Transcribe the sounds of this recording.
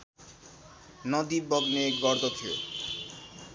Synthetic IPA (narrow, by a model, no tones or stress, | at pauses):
nɔd̪ibɔɡnekɡɔɾd̪ot̪ʰeo̰